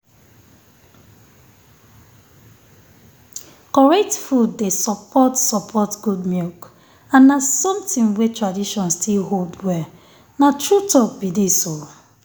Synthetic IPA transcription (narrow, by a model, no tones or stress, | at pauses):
kɔɹɛk̚tfudːesɔpʰɔtsɔpʰɔtɡudmik | ãnːasɔ̃mtɪ̃ŋwetɹadiʃɔ̃nstʰilɦoldwɛ | natɹutɔk̚bideso